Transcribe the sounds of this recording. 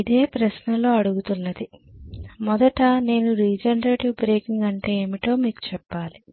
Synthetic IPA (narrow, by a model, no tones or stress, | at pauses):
id̪e̞ːpɾɐʃnɐlo̞ːɐɽuɡut̪unːɐd̪i | mɔd̪ɐʈɐne̞ːnuɾiːd͡ʒɐnɐɾeːʈiʋbɾeːkiŋɡɐɳʈe̞ːmiʈo̞ːmiːku̥t͡ʃɛpːaːli